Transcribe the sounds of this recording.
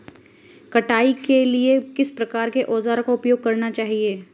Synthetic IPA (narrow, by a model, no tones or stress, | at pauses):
kɐʈaːikeliekɪspɾɐkaːɾkeʔɔːzaːɾkoʊpjoːɡ̚kɐɾnat͡ʃaːɦieː